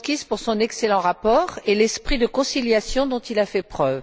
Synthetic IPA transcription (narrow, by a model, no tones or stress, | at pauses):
kʲizpuʁsɔ̃nɛkselɑ̃ʁapɔːʁelɛspχid̪əkɔ̃siljasjɔ̃d̪ɔ̃t̪ilafɛpχœv